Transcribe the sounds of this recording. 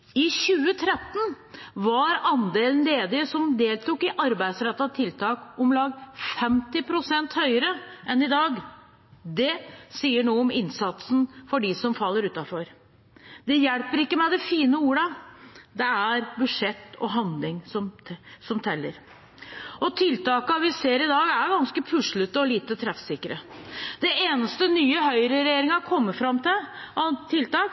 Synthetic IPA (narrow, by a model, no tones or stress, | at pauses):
ɪɕʉːət̪ʰɾɛt̪ːn | ʋɑɾɑnd̪eːln̩leːd̪ɪəsɔmd̪eːlt̪uːkɪʔɑɾbæɪd̪sɾɛt̪ːɑt̪ʰɪlt̪ɑːkɔmlɑːɡfɛmt̪ɪpʰɾʊsɛnt̪hœʏəɾəʔɛnɪd̪ɑːɡ | d̪ɛsiːəɳoːɔmɪnsɑt̪sn̩fɔɖɪsɔmfɑlːəɾʉːt̪ɑfɔɾ | d̪ɛjɛlpəɾɪkːəmæɪd̪ɛfiːnəuːɾəd̪ɛæɾbʉʂɛt̪ːɔ̰ɦɑnd̪lɪŋsɔmsɔmt̪ʰɛlːəɾ | ɔt̪ʰɪlt̪ɑːkəɑʋɪseːɾɪd̪ɑːɡæɾɡɑnskəpʰʉʂɭʉt̪əɔliːt̪ət̪ʰɾɛfsɪkɾəd̪̥ɛʔeːnəst̪ənyːəɦœʏɾəɾɛjeːɾɪŋɑkʰɔmːəfɾɑmːt̪ɪlɑt̪ʰɪlt̪ɑːk